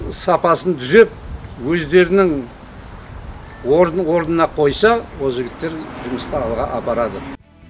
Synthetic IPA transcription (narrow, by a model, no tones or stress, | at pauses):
sɑpɑsənt̪ʰʏze̞p̚wɵzd̪e̞ɾɪnɪŋ | oɾwo̞ɾnənɑqʰo̞jsɑwolˠʒɪɡʲɪt̪ːe̞ɾʒʊməst̪əɑlˠʁɑʔɑpɑɾɑd̪ə